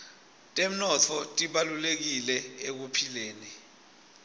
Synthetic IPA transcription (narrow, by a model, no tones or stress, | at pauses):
tʼem̩nɔtʰɔtʼiɓalulek̬ilɛek̬upʰileːni